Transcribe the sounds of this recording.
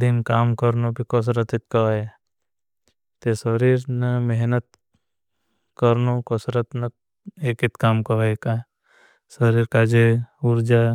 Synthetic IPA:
d̪inkaːmkəɾnobʱikɔs̬ɾət̪ɪt̪̚kɐʋae | t̪esəɾiːɾnɐmeɦnət̪̚ | kəɾnokɔsɾət̪nɐ | eːkɪt̪kaːmkɐʋaeka | səɾiːɾkaːd͡ʒeuɾd͡ʒa

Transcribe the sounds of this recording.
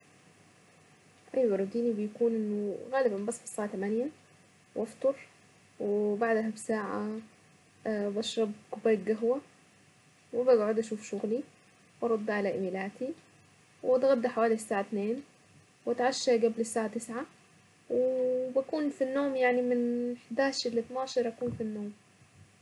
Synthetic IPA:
ʔajwɑɾˤɑd̪iːnibɪjkuːnʔɪnːʊɣaːlɪbambɑsːˤfɪ̥sːaːʕat̪amaːnɪja | wʔɑft̪ˤɑɾˤ | wɪbaʕd̪aɦabsaːʕa̰ | baʃɾˤɑb̚kʊbaːɡaɦwa | wɪbaɡʕʊd̪ʔaʃuːfʃʊɣli | wʔɑɾˤɑd̪ːaʕalaʔɪmilaːt̪i | wɑt̪ɣɑd̪ːaħawaːlisːaːʕat̪neːn | wat̪ʕaʃːaɡablɪsːaːʕat̪ɪsʕa | wɪbakuːnfinːoːmjaʕnimɪnħd̪aːʃɪlːit̪naːʃɑɾˤʔakuːnfinːoːm

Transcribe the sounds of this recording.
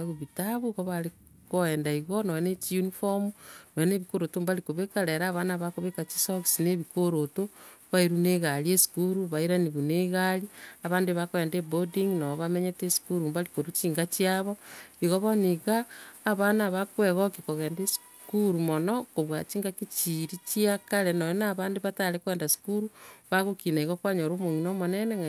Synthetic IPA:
βuβitaβuɣoβali | koeːndaiɣonowenet͡ʃiunifomnoweneβikoɾotombalikoβekaɾeɾaːβanaβakoβekat͡ʃi̥soksineβikoɾotoβaiɾuneːɣaliesi̥kuɾuβaiɾaniβuneɣaliaβaːndeβakweːndebodiŋnaβoβameɲetesu̥kuɾumbalikoɾut͡ʃiːŋɡat͡ʃiaβɔiɣoβoniɣaːβanaβakweɣɔkikoɣeːndesu̥ | kuɾumonɔkoβwat͡ʃiːŋɡakit͡ʃiɾit͡ʃiakaɾenoinaβaːndeβatalekweːndasu̥kuɾuβaɣokinaiɣokwaɲoɾoːmoŋinomoneneŋa

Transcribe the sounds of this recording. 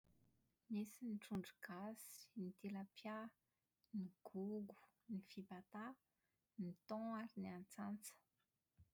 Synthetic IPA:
nisinʈ͡ʂuɳɖ͡ʐuɡ̥asi̥nit̪eləpja | niɡ̥uɡu̥ | nifibat̪a | nit̪ɔ̃aɾiniant͡sant͡sə̥

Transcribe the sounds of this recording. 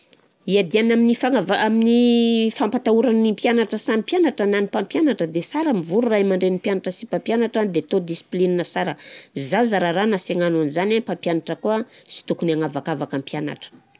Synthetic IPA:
iad̪ianaminifaavaaminifampat̪auɾanimpjanaʈ͡ʂəsamipjanaʈ͡ʂananipampjanaʈ͡ʂəd̪esaɾəmivuɾuraimaɳɖ͡ʐenimpjanaʈ͡ʂəsipampjanaʈ͡ʂand̪et̪od̪isi̥plininəsaɾəzazaɾaɾanaseŋananzanapampjanaʈ͡ʂəkuat͡si̥t̪ukunaŋavakavakampjana̰ʈ͡ʂə̥

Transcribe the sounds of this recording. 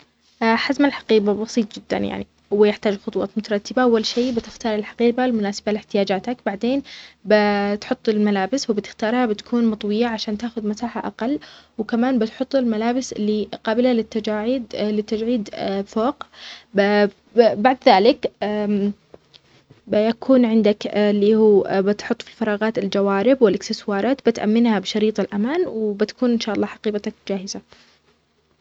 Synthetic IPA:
ʔaħazmalħḁqiːbabɑsˤiːt̪ˤd͡ʒɪd̪ːa̰nja̰ʕni | wɪjɪħt̪aːd͡ʒxʊt̪ˤwɑ̰ːt̪mʊt̪ɑɾˤɑt̪ːɪbaʔawːalʃeːbɪt̪ɪxt̪ɑːɾˤɪlħḁqiːbalmʊnaːsabalɪħt̪ɪjaːd͡ʒaːt̪akbaʕd̪eːnbɪt̪ħʊt̪ˤːɪlmalaːbɪswbɪt̪ɪ̥xt̪ɑːɾˤhabɪt̪ḁkʰuːnmɑt̪ˤwɪjaʕaʃaːnt̪aːxʊðmasaːħaʔaqɑlːwkamaːnbɪt̪ħʊt̪ˤːɪlmalaːbɪsɪlːiqɑːbɪlalɪt̪ːad͡ʒaːʕɪd̪lɪt̪ːad͡ʒʕiːd̪foːq | baʕd̪ðaːlɪkː | bɪjakʰuːnʕɪnd̪aklːiːhuːbɪt̪ħʊt̪ˤːfi̥lfɑɾˤɑːɣɑːt̪ɪld͡ʒawaːɾɪbwɪlɪksɪswɑːɾˤɑːt̪bɪt̪ʔa̰mːɪnhabɪʃɑɾiːt̪ˤɪlʔamaːnwɪbɪt̪ḁkuːnʔɪnʃaːʔɑlˤːɑːħaɑqiːbɑt̪ak̚d͡ʒaːhɪza

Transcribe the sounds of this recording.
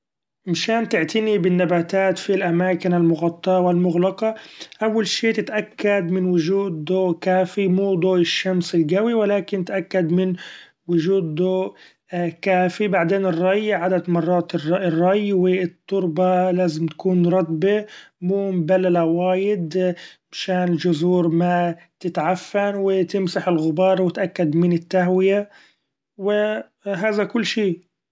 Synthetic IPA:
mʃaːnt̪ɪʕt̪anibɪnːabaːt̪aːt̪filʔamaːkɪnalmʊɣɑt̪ˤːɑwɪlmʊɣlɑqɑʔawːalʃeːt̪ɪt̪ʔakːad̪mɪnwʊʒuːd̪̚d̪oːʔkaːfimuːd̪ˤoːʔɪʃːamsɪlɡawiwɪlaːkɪnt̪ʔakːad̪mɪn | wʊʒuːd̪d̪oːʔ | kaːfibaʕd̪eːnɪrˤːɑjːʕad̪ad̪mɑrˤːɑːt̪ɪrˤːɑjwɪt̪ˤːʊɾbɑlaːzɪmt̪ḁkuːnɾˤɑt̪ˤbimuːmbalːalawaːjɪd̪mɪʃaːnɪld͡ʒʊzuːɾma | t̪ɪt̪ʕafːanwɪt̪ɪmsaħɪlɣʊbɑːɾˤwɪt̪ʔakːad̪mɪnɪt̪ːaɦwɪja | wɪ | ɦaːðakʊlːʃiː

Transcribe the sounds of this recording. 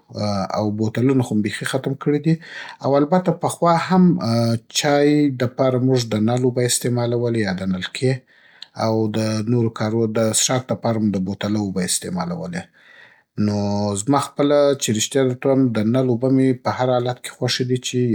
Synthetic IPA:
a̰wbot̪alunaxombexixat̪mkəɽid̪iawalbat̪apəxwɑhamt͡ʃɑjd̪əpɑɾamuʐd̪ənalobəɪst̪emɑlawəlejɑd̪ənalkʰe | awd̪ənoɾokɑɾd̪əsʂɑk̚d̪əpɑɾamud̪əbot̪alaobəɪst̪emɑ̰la̰wə̰le | nozmɑxpəlat͡ʃeɾɪʃt̪jɑd̪at̪amd̪ənalobəmepəhaɾɑlat̪ke̥xwaʂed̪it͡ʃe

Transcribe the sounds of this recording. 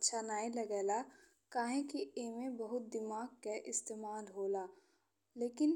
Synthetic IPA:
tːʃʰanaːilɐɡɛːla | kaːɦẽkieːmẽbɐɦʊt̪̚d̪ɪmaːɡkeʔɪst̪eːmaːlɦoːlaː | leːkɪn

